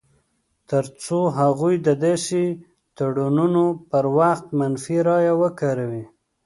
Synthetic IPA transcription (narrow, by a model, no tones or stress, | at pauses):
t̪əɾt͡soɦaɣujd̪əd̪esi | t̪aɽununopəɾwaxt̪manfiɾɑjawəkaɾawi